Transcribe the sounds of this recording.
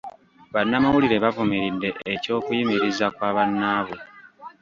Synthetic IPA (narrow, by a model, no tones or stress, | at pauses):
βanːamawuliɾe̞βavumiɾidːe̞ʔːco̞ːkujimiɾizakwaːβanːaːβo